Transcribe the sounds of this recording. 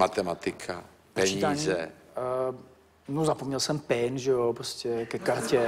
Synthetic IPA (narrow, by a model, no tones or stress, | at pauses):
mat̪ɛmat̪ikʰa̰ | pɛiiaɲzɛ | nuzapɔmɲɛlsɛmpɛːnʒɛopɾɔscɛkɛkaɾcɛ